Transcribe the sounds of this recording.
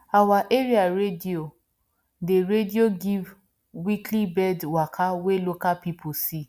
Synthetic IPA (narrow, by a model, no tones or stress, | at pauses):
awaʔeɾiaɾedio | deɾedioɡiv | wiklibɛdwakʰawelokapipʰusi